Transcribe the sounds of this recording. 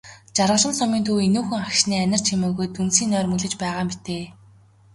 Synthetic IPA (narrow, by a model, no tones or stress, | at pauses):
t͡ɕarʁə̆ɮə̆msɔmiːnt̪ʰuːenuːxɘ̆ŋakʃniːænʲɪ̆r̥t͡ɕʰimɘ̆ːɣŭjt̪unsiːnœːrmɵɮɘ̆t͡ɕpæːʁaːmit̪eː